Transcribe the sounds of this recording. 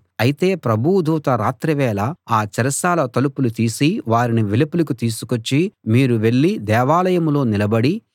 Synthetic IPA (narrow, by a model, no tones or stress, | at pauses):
ɐjit̪e̞ːpɾɐbʱud̪uːt̪ɐɾaːt̪ɾɐʋɛːlɐaːt͡ʃɐɾɐsaːlɐt̪ɐlupulut̪iːsiʋaːɾiniʋilɐpulɐkut̪iːsu̥kot͡ʃːimiːɾuʋe̞ɭːid̪ɛːʋaːlɐjɐmlo̞ːnilɐbɐɽi